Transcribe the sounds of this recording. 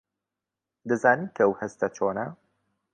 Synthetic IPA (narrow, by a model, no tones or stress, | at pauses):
d̪ɐzaːninkʰɐəwhɐst̪ɐt͡ʃʰoːnɐ